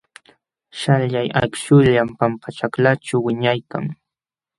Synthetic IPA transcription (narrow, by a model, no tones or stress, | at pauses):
ʃaʎjaja̰kʃʊʎampampat͡ʃaklaʈ͡ʂawwɪɲajka̰ŋ